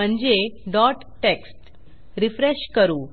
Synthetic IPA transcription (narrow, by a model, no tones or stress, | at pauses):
əɳd͡ʑeɖɔʈ | ʈeksʈ | ɾifɾeɕkəɾuː